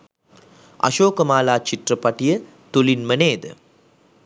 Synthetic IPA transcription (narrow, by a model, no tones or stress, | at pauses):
ɐ̰ʃoːkəmaːlaːt͡ʃiʈrəpɐʈijə | t̪ulinməneːd̪ə̰